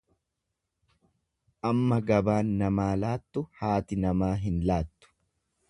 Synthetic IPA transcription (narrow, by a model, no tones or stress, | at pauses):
ʔɐmːɐɡɐbaːnːɐmaːlaːt̪ːʊhaːt̪ɪnɐmaːɦɪnlaːt̪ːʊ̥